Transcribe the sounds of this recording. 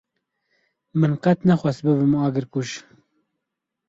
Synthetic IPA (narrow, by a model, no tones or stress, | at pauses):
mɨnqɛt̪nɛxʷwɛsbɨβɨmɑːɡɨɾkuʃ